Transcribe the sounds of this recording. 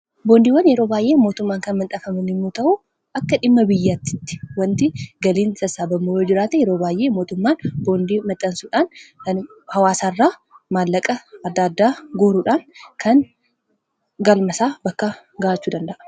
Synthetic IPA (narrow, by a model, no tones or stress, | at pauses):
boːnd̪iːwɐnjɛɾo̞ːbaːjʔeːmo̞ːt̪ʊmːaːŋkɐnmɐnt̪ʼɐfɐmɐnɪmːuːt̪ɐʔʊ | ʔɐkːɐᶑɪmːɐbɪjːaːt̪ːɪ̥t̪ːɪ̥wɐnt̪ɪɡɐliːnsɐsaːbɐmːoɾoːd͡ʒɪɾaːt̪ɛjɛɾo̞ːbaːjʔe̞ːmo̞ːt̪ʊmːaːnbo̞ːnd̪iːmɐt̪ʼːɐnsuːᶑaːnkɐn | hɐwaːsaːrːaːmaːlːɐkʼɐɐd̪ːaːd̪ːaːɡuːɾuːᶑaːnkʰɐn | ɡɐlmɐsaːbɐkːɐ | ɡaːʔɐt͡ʃːuːd̪ɐnd̪ɐʔɐ̥